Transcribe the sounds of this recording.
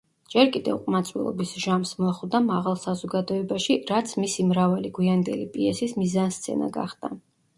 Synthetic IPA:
d͡ʒɛɾkʼid̪ɛ̰vqʼmat̪sʼwḭlˠɔ̰bisʒamsmɔχwd̪amaʁalˠsazɔɡad̪ɔɛbaʃiɾat̪sʰmisimɾavaliɡwiand̪ɛlipʼiɛsismizanst̪sʰɛ̰na̰ɡa̰χd̪̥a̰

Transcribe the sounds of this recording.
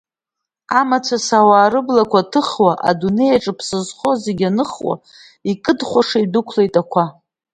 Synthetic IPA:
amat͡sʷʰasawaːɾɨblakʷʰatʰɨχwaʔa̰dune̞jaʈ͡ʂʼɨpʰsɨzχo̞zeɡʲanɨχwa̰ | ikʼɨdχʷaʂaidɨkʷʰle̞jtʼakʷʰa

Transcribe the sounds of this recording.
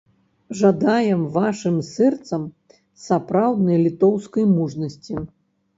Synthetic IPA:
ʐad̪ajɛmvaʂɨmsɛrt̪sɐm | sapɾawd̪nɐjlʲit̪ɔwskɐjmuʐnɐsʲt͡sʲi

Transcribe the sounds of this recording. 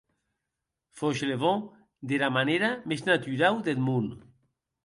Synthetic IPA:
foʃleβɔ | d̪elamaneɾameznat̪yɾawd̪elmun

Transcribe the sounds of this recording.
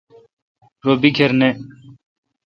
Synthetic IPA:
ɾoːbikʰeɾneː

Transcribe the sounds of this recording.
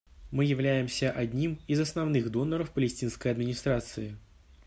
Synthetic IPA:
mɨjɪwlʲæjɪmsʲɐʔad̪ʲnʲimizɐsnawnɨɣd̪ɔnːəɾɐfpəlʲɪsʲtʲinskəjɐd̪mʲinʲist̪ɾat̪sɨjɪ

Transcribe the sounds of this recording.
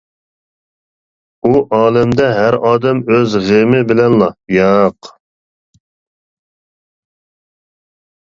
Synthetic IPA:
uʔɑːlɛmd̪ɛɦæɾɑːd̪ɛmøzʁemɪbɪlɛnlˠɑjɑq

